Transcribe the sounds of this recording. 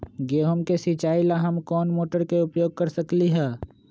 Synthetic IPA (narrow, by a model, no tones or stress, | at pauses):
ɡeːɦomkesit͡ʃaːilaɦɐmkɔːnmoːʈəɾkeʊpjoːɡ̚kɐɾsɐkliɦɛː